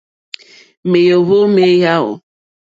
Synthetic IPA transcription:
me˨jo˨ɦo˦me˦ja˦ɦʊ̰˨

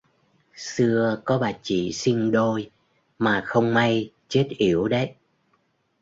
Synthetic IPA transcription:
sɨ˧əkɔ˨˦ɓaː˨˩t͡ɕḭ˧˨si˧ŋɗo˧j | maː˨˩xə˧wŋ͡mma˧j | t͡ɕe˦˥t̚ʔi˧˩əwɗə˨˦j

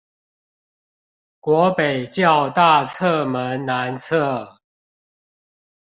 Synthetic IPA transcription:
kwɔ˨˦pe˨˩ɪt͡ɕjɑ˥˨ʊt̪a˥˨t͡sʰɤ˥˨mə˦nna˨˦nt͡sʰə˥˩

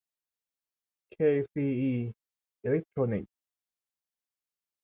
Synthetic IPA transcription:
kʰe˧siː˧iː˧ | ʔe˧lɛ˦˥k̚t̪ʰɹoː˧ni˨˩k̚

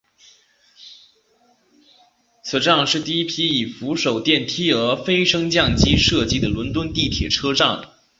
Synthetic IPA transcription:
t͡sʰɹ̩˨˩ʈ͡ʂɑ˥˧ŋʂɻ̩˥˧t̪i˥˩i˥pʰi˥i˨˩fu˧˥ʂo˨˩ʊt̪jɛ˥˩nt̪ʰi˥ə˞˧˥fe˥ɪʂɤ˥ŋt͡ɕjɑ˥˩ŋt͡ɕi˥ʂɤ˥˩t͡ɕi˥d̪ə˨lwə˧˥nt̪wə˥nt̪i˥˩t̪ʰjɛ˨˩ʈ͡ʂʰɤ˥ʈ͡ʂɑ˥˩ŋ

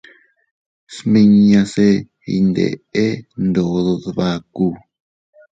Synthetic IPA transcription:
smĩ˧ɲ˧ã˧se˧ | ḭ˧nd̪ḛ˨e˦nd̪o˨ðo˧ðβa˦˧ku˧

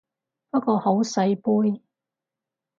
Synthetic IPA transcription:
pɐ˥kɔː˧ho˨˥wsɐ˧jpuː˥j

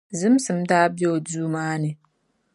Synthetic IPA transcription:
zɨ˦m˦sɨ˨m̩˦daː˦be˦o˨duː˦maː˦nɨ˨

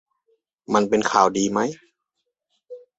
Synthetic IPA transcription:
ma˧npe˧nkʰaː˨˩wdiː˨˧ma˦˥j

